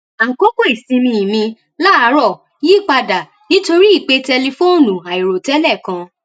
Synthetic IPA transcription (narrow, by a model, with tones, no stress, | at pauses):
a˨ŋ̩˨ko˦ko˦˨i˨sĩ˧mĩ˧˨mĩ˧ | la˦a˧˦ɾɔ˦˨ | ji˦˨k͡pa˧da˨ | nĩ˦to˧ɾi˦i˦˨k͡pe˧tɛ˧li˧fo˦˨nũ˨a˨i˨ɾo˨tɛ˨˦lɛ˦˨kã˧